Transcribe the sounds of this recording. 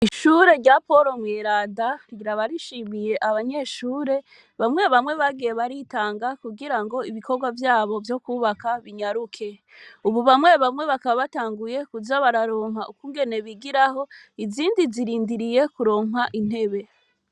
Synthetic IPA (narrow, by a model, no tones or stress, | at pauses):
iʃuɾe̞ɾɟapo̞ɾo̞mweɾaːdaɾɟiɾaβaɾiʃimije̞ʔaβaɲe̞ʃuːɾe̞ | βamŋe̞βamwe̞βaɡijeβaɾitaːŋɡakuɡiɾaŋɡo̞iβiko̞ɾɡwavjaːβo̞vjo̞kuːβakaβiɲaɾukʰe̞ | uβuβamweβamŋe̞βakaβaβataːŋɡuje̞kuzaβaɾaɾo̞ːŋɦaʔukuːŋɡe̞ne̞βiɡiɾaɦo̞ | iziːndiziɾiːndiɾije̞kuɾo̞ːŋɦaʔin̥he̞βe̞